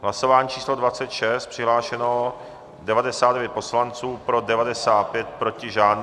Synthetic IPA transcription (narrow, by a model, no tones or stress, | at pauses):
ɦlasovaːɲit͡ʃiːslo̞dvat͡sɛt̪ʃɛst̪̚pr̥ɪɦlaːʃɛno | dɛvadɛsaːd̪dɛvjɛt̪̚po̞slant͡suːpɾo̞dɛvadɛsaːt̪̚pjɛt̪̚pɾo̞cɪʒaːn